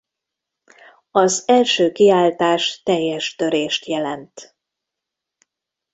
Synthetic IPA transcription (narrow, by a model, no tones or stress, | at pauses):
ɒzɛlʃøːkiaːlt̪aːʃt̪ɛjːɛʃt̪ø̞ɾeːʃt̪jɛlɛnt̪